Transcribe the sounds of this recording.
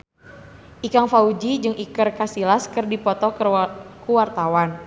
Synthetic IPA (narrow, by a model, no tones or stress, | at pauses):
ʔikaŋfaud͡ʒid͡ʒɨŋʔikərkasilaskɨrdipɔt̪ɔkəwart̪awan